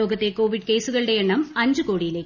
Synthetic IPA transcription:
oːɡɐt̪ːe̞ko̞ːʋiɖke̞jsuɣɐɭɨɽe̞eɳːɐmɐɲd͡ʑɨkoːɽijileː

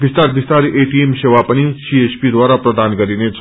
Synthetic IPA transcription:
bist̪aɾbist̪aɾiʔeʈiemɕeʋapəɽ̃isiespid̪ʋaɾapɾəd̪ʱanɡəɾinet͡s

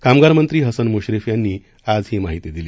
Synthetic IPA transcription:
kamɡaɾmənt̪ɾiːɦəsənmoɕɾefjanːiː | ad͡zɦiːmaɦit̪id̪ili

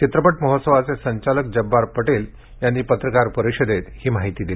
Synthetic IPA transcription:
t͡ɕit̪ɾəpəʈməɦot̪səʋat͡sesəɲt͡ɕalək̚d͡ʑəbːaɾpəʈel | janːiːpət̪ɾəkaɾpəɾiɕəd̪et̪hiːmaɦit̪iːd̪ili

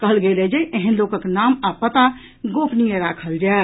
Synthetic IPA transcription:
kəɦəlɡeːlɛd͡ʒaiʔeɦə̃nloːkəknaːmapət̪a | ɡoːpʰnijeɾaːkʰəld͡ʒa

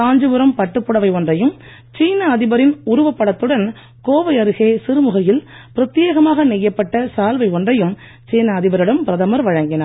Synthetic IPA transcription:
aːɲd͡ʒɯʋɯɾɐmpɐʈːɯpːɯɽɐʋɐɪɔndrɐjɯm | t͡ʃiːnɐːðɪbɐɾɪnʊɾʊʋɐpːɐɽɐt̪ːɯɽɐn | koːʋɐɪɐɾɯɣeːsɪɾɯmʊɣɐjɪl | pɪɾɐt̪ːɪjeːɣɐmaːɣɐnɛjːɐpːɐʈːɐsaːlʋɐɪɔndrɐjɯm | t͡ʃiːnɐːðɪbɐɾɯɽɐmpɪɾɐðɐmɐɾʋɐɻɐŋɡɪnɐ

